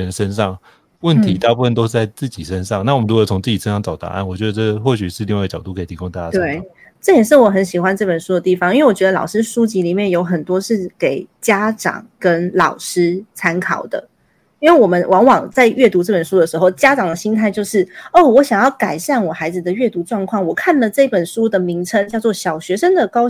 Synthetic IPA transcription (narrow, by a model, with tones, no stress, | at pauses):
ə˧˦nʂə˦˥nʂɑ˥˩ŋ | wə˥˨nt̪ʰi˧˥t̪a˥˧pu˥˩fə˥˩nt̪o˥ʊʂ̩˥˩t͡sa˥˧ɪt͡s̩˥˩t͡ɕi˨˩ʂə˦nʂɑ˥˨ŋna˥˩wə˦ɻu˦˥o˨˩t͡sʰʊ˧˥ŋt͡sɹ̩˥˩t͡ɕi˨˩ʂə˦˥nʂɑ˥˩ŋt͡sɑ˨˩ʊt̪a̰˧˦a̰˥˩nwɔ˨˩t͡ɕɥjɛ˧˥d̪ə˧ʈ͡ʂə˥xwɔ˥˩ɕy˨˩ʂɻ̩˥˧li˥˧wa˥˩˥ɡət͡ɕjɑ˨˩ʊt̪u˥kʰi˨t̪ʰi˧˥kʊ˥ŋt̪a˥˩t͡ɕa˥twe˥˩ | ʈ͡ʂɤ˥˩jɛ˨˩nʂ̬ɻ̩˥˩wɔ˨˩xə˧˥nɕi˨˩xwa˥˦nʈ͡ʂɤ˥˩pə˨˩nʂu˥d̪ə˨˩t̪i˥˩fɑ˨ŋi˥we˥˩wɔ˨˩t͡ɕɥɛ˧˥d̪ə˧lɑ̰˨˩ʊʂɻ̩˥ʂu˥t͡ɕi˧˥li˨˩mjɛ˥˩njo˧˥ʊxə˨˩nt̪wɔ˥ʂɻ̩˥˩ke˨˩˦ɪt͡ɕja˥ʈ͡ʂɑ̰˨˩ŋkə˦nlɑ˨˩ʊʂɻ̩˥t͡sʰa˥nkʰɑ˨˩ʊd̪ə̰˦ | i˥nwe˥˩wɔ˨˩mə˦nwʔɑ˧˥ŋwɑ˨˩ŋt͡sa˥˧ɪɥɛ˥˩t̪u˧˥ʈ͡ʂɤ˥˩pə˨˩nʂu˥d̪ə˨˩ʂɻ̩˧˥xo˥˩ʊt͡ɕja˥ʈ͡ʂɑ˨˩ŋd̪ə˩ɕi˥nt̪ʰa˥˧ɪt͡ɕjo˥˧ʊʂɻ̩˥˩o˥˩wɔ˧˥ɕjɑ˨˩ŋjɑ˥˩ʊka˨˩ɪɕa˥˩nwɔ˨˩xa˧˥ɪd͡zɹ̩˨˧d̪ə˨ɥɛ˥˩t̪u˧˥ʈ͡ʂwɑ˥˧ŋkʰwɑ˥˩ŋwɔ˨˩kʰa˥˩nlə˨ʈ͡ʂɤ˥˩i˥˩pə˨˩nʂu˥d̪ə˨mi˧˥ŋʈ͡ʂʰə˥ŋt͡ɕjɑ˥˧ʊt͡swɔ˥˩ɕjɑ˨˩ʊɕɥɛ˧˥ʂə˥ŋd̪ə˨kɑ˥ʊ